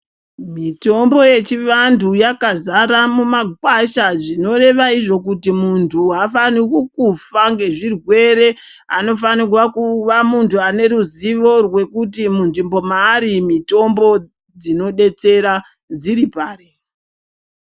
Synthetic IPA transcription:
mito̞mbo̞je̞t͡ʃiʋandujakazaɾamumaɡʱwaʃaʐino̞ɾe̞ʋaiʐo̞k̬utimuntʰuɦafanikukufaŋɡe̞ʐirwe̞ɾe̞ | ano̞fanirwakuʋamuntʰuane̞ɾuziʋo̞rwe̞kutimunʐimbo̞maːɾimito̞mbo̞ | d͡zino̞ɗe̞t͡se̞ɾa | d͡ziɾipaːɾe

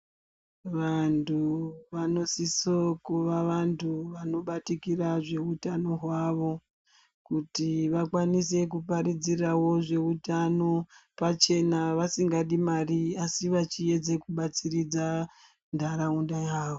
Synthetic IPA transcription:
ʋantuʋano̞sisokuʋaʋantuʋano̞ɓatikiraʐe̞utano̞ɦwaʋo̞ | kutiʋakwanise̞kupaɾid͡zirawo̞ʐe̞utano̞pat͡ʃe̞naʋasiŋɡaɗimariasiʋat͡ʃie̞d͡ze̞kuɓat͡sirid͡za | ndʱaɾaundajaːwo

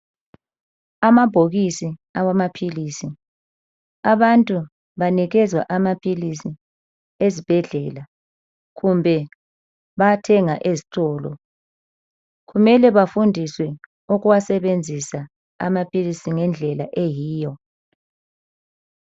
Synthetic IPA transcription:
amab̥ʱoɣisiawamapʰilisi | aβantʼu | βaniɣɛzwa̰ʔamapʰilisi | ezib̥ʱɛɮɛːla | ɣumbʱɛ | βatʰɛŋaʔezi̥tʼɔːlɔ̰ | ɣumɛlɛβafundʱiswɛ | uɣuwasɛβend͡zʱisa | a̰mapʰʼilisiŋɛnd͡ɮʱɛla̰ʔejiːjɔ

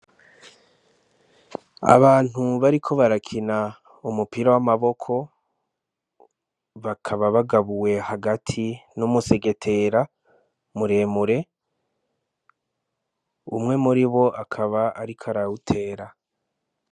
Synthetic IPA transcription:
a̰βaːn̥huβaɾikʰo̞βaɾakʰina | umupiɾawamaβo̞kʰo̞ | βakʰaβaβaɡaβuwe̞haɡatʰinumuse̞ɡe̞tʰe̞ɾa | muɾe̞ːmuɾe̞ | ṵmŋe̞muɾiβo̞ʔakʰaβaaɾikʰaɾautʰe̞ːɾa

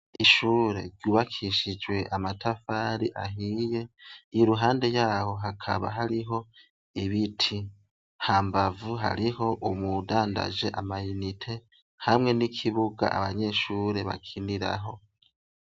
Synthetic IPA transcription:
iʃuːɾe̞̰ɾɟuːβakʰiʃid͡ʒwe̞ʔamatʰafaːɾiʔa̰ɦije̞iɾuɦaːnde̞jaːho̞ɦakʰa̰βa̰ɦaɾiɦo̞ | iβitʰi | haːmbavuɦa̰ɾiho̞ʔumudaːnda̰ʒe̞ʔamajunitʰe̞ | hamŋe̞nikʰiβuɡa̰ʔa̰βaɲe̞ʃuːɾe̞βa̰kʰiniɾa̰ɦo̞

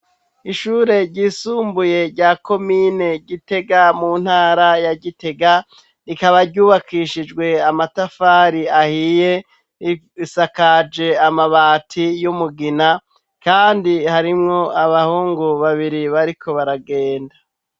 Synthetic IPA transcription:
iʃuːɾe̞ɾɟiːsuːmbuje̞ɾɟaːko̞mine̞ɟite̞ɡamuːn̥haːɾajaɟite̞ɡa | ɾikaβaɾɟuːβakʰiːʃid͡ʒɡwe̞amatafaːɾiahije̞ | isakad͡ʒe̞amaβaːtʰijumuɡina | kaːndihaɾimŋo̞aβahuːŋɡuβaβiɾiβaɾikʰo̞βaɾaɡe̞ːnda

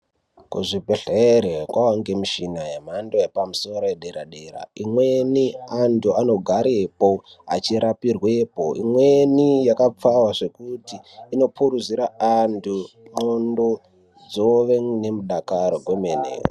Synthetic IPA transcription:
kṵʐibʱeɬeɾekwawaŋɡe̞miʃinajem̤andoepamuso̞ɾojeɗeɾaɗeɾa̰imwenianduano̞ɡʱaɾepo | a̰t͡ʃiɾapirwepo̰ʔḭmwe̞nijakap͡fawaʐe̞kutiːno̞pʰuɾuziɾaantʰu | mondo̞ | d͡zo̞ʋeŋne̞muɗakaɾoɡʱwemenḛːo̰

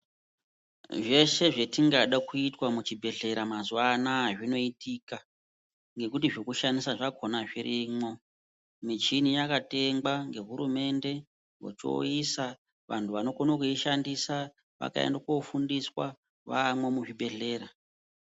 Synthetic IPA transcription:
ʐe̞ʃe̞ʐe̞tiŋɡaɗakuitwamut͡ʃibʱe̞ɮe̞ɾamazuanaːʐino̞itika | ŋɡe̞kutiʐokuʃanisaʐakʰo̞naʐiɾimo̞ | mid͡ʒinijakate̞ŋɡwaŋɡe̞ɦuɾume̞nde̞ | wo̰t͡ʃo̰isa | ʋa̰ntʰuʋano̞konokuiʃandisa | ʋa̰ka̰ḛndako̞fundiswa̰ | ʋamwe̞muʐibʱe̞ɮe̞ːɾa

